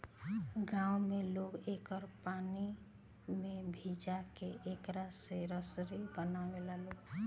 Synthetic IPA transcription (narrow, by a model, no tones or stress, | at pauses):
ɡãwmeloɡekəɾpani | mebʱid͡ʒakeʔekɾaseɾəsɾibənamelaloɡ